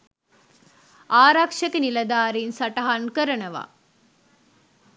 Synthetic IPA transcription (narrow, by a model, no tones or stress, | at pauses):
aːɾakʂɐkinilɐd̪aːɾinsɐʈɐɦankəɾənəʋa̰